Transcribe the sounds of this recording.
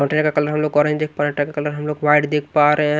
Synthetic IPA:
ɔ̃ɳʈenakakəlːəɾɦəmloɡɔɾẽnd͡ʒd̪ek̚ʰpaɾẽʈakekəlːəɾɦəmloɡʋajɖd̪ekʰpaɾe

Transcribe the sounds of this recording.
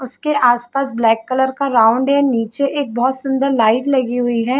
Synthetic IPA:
ʊskeʔaːspaːsblɛːkːɐləɾkaɾaːʊ̃ɳɖɦɛniːt͡ʃeʔeːk̚bɔɦʊt̪sʊ̃nd̪əɾlaːɪʈlɐɡiɦʊiɦɛː

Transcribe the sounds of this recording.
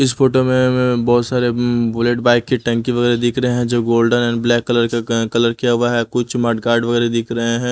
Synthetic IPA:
ɪsfʰoːʈomẽbɔːt̪saːɾebʊleːʈbaːɪkːiʈɛ̃ŋkiʋɐɣɛːɾed̪ɪkʰɾɐɦeɦɛ̃d͡ʒoːɡoːlɖənɛːnblɛːkːɐləɾkakɐləɾkiaɦʊʋaɦɛkʊt͡ʃʰmaːʈkaːɾɖʋɐɣɛːɾed̪ɪkʰɾɐɦeɦɛ̃ː

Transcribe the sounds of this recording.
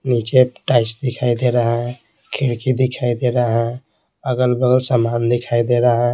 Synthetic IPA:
nit͡ʃeʈaɪsd̪ikʰaid̪eɾəɦə̃ | kʰiɽkid̪ikʰaid̪eɾəɦə̃ | əɡəlbəɡəlsəmand̪ikʰajd̪eɾəɦə̃

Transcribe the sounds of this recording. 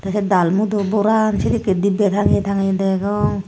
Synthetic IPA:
t̪asɛd̪almud̪ɔbɔɾansidiked̪ibɛt̪ʰaŋit̪ʰaŋidɛɡɔŋ

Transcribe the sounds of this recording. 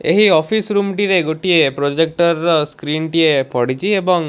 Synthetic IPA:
ḛɦiɔpʰisɾumʈiɾeɡoʈiepɾɔd͡ʒek̚ʈɔɾskɾinʈiepɔɽit͡ʃiebɔŋ

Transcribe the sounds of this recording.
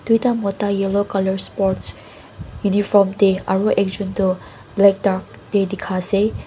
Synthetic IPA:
d̥ujtamɔtajelokalɔɾspɔɾts | junipʰɔɾmdea̰ɾoʔek̚d͡ʒundɔ | ɡlek̚dak̚ | dedikʰase

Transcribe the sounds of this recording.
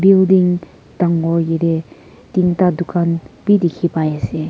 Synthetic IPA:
bildiŋ | taŋɔjede | tiŋt̪adukanbidikʰipajasɛ

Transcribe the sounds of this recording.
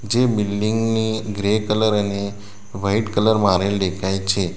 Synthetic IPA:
d͡ʒemilːiŋɡniɡɾekələɾəne | ʋaiʈkələɾmaɾelɖekʰajt͡ɕʰe

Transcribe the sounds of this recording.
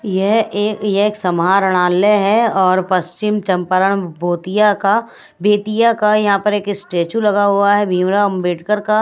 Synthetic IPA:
jɛɦeːkjɛeːksɐmɦaɾəɽ̃aːlleɦɛɔːɾpɐst͡ʃɪmt͡ʃɐ̃mpəɾəɽ̃bʱoːt̪ijaka | beːt̪ijakajɐɦãpɐɾeːkɪsʈeːt͡ʃulɐɡaɦʊaɦɛbʱiːmɾaɐmbeːʈkəɾka

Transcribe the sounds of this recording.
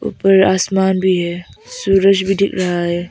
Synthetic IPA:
ṵːpəɾaːsmaːnbʱiɦɛsuːɾəd͡ʒbʱiɖʱɪkɾɐɦaɦɛː

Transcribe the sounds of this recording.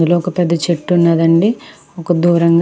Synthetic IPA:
d̪uloːɔkɐpɛd̪ːɐt͡ʃeʈːunːaːd̪ɐɳɖi | ɔkɐd̪uːɾɐŋɡ

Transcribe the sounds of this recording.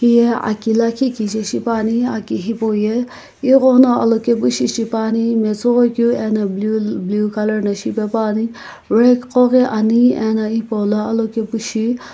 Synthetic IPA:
kijeɐ̰kilakʰikid͡ʒeʃipaːniakiɦipoːje | iɣonoɐ̰lokepuʃiʃipaːnimet͡sokuɛnɐblukɐlɐɾnɐʃipepaːni | wekqoɣeʔɐniɛːnɐipoːlɐɐlokepuʃi

